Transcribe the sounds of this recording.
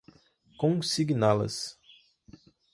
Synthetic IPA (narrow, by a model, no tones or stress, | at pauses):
kõsiɡnalɐ̰s